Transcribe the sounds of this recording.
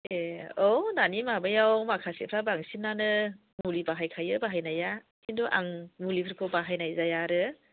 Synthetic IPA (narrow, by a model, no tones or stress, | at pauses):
eɔnanimabajawmakʰasḛpʰɾabaŋsinːanɯ | mulibaɦajkʰajɯbaɦajnaja | sinduʔa̰ŋmulipʰɯɾkʰɯbaɦajnajzajaɾɯ